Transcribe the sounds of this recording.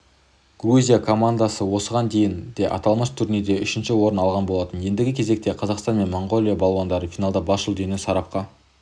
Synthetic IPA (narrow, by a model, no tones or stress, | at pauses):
ɡ̥ruzʲijakʰo̞mand̪asəwo̞səʁɑnd̪e̞jɪnd̪e̞ʔɑ̰t̪ɑlˠməʃt̪ʰʏɾned̪e̞ʏʃɪnʃɪwo̞ɾənɑlˠʁɑnbo̞lˠɑt̪ənje̞nd̪ɪɡʲɪkʲʰe̞ze̞k̚t̪e̞qʰɑzɑqst̪ɑnme̞nmo̞ɴɡo̞lˠijabɑlˠwɑnd̪ɑɾəfijnɑlˠd̪ɑbɑsʒəlˠd̪ʏnesɑɾɑp̚qɑ